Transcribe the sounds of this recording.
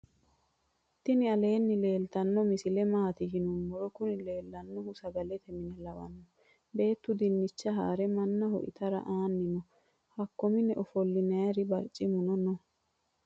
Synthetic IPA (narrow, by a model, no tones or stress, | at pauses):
t̪ːɪnɪɐle̞ːnːɪle̞ːlt̪ɐnːɔmɪsɪlɛmaːt̪ɪɡɪnʊmːɔɾɔkʊnɪle̞ːlːɐnːɔhʊsɐɡɐlɛt̪ɛmɪnɛlɐwɐ̰nːɔ | be̞ːt̪ːʊd̪ɪnːɪt͡ʃːɐɦa̰ːɾɛmɐnːɐhɔ̰ʔɪ̰t̪ɐɾɐ̰ʔaːnːɪnɔ | hɐkːɔmɪnɛʔɔfɔlːɪnɐjɐɾɪbɐɾt͡ʃʼːɪmʊnɔnɔ